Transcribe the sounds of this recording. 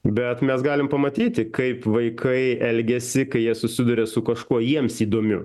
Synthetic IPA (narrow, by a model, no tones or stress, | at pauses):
bʲɛt̪mʲɛsɡɑːlʲɪmpɐmɐt̪ʲiːt̪ʲɪkɐɪpʋɐɪkʰɐɪɛlʲɡʲɛsʲɪkɐɪjiɛsʊsʲɪd̪ʊɾʲɛsʊkɐʃkuɔjiɛmsiːd̪oːmʲʊ̰